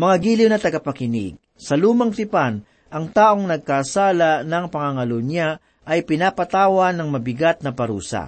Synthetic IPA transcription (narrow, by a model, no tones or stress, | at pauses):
mɐŋaɡiːlɪwnɐt̪ɐɡapɐkɪnɪ̰ɡ̚ | sɐluːmɐŋt̪ɪpan | ʔɐŋt̪aːʔo̞ŋnɐɡ̚kasaːlanɐŋpɐŋaŋɐlona | ʔɐjpɪnaːpɐt̪aːwɐnɐŋmɐbɪɡat̪̚nɐpɐɾuːsa̰